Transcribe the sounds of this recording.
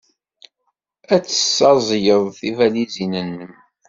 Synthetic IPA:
æt͡sːə̥sːɑzˤjəðˤθivælizinənːəm

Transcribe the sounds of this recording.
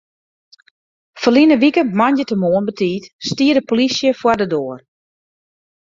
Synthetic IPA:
fəlinəʋikəmanjətəmoənbətʰiːtstiədəpolisjəfwardədoːər

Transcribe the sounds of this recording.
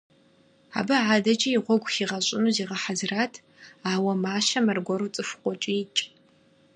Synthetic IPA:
a̰ːbɐʕaːdɐd͡ʒʼɐjiʁʷɔɡʷʼxiːʁɐɕʷʼɪnuːziːʁɐħazɨraːtʰ | aːwɐmaːʃɐmɐrɡʷɔɾut͡sʼɨfqʷɔt͡ʃʼiɪt͡ʃʼ

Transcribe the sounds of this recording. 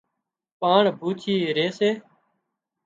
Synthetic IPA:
paːɳbʱuːt͡ʃʰiːɾeːseː

